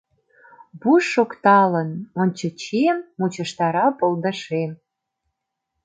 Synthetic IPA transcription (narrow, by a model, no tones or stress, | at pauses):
buʃːokt̪ɑlənonʲt͡ɕə̆t͡ɕiemːut͡ɕə̆ʃt̪ɑɾɑpold̪ə̆ʃem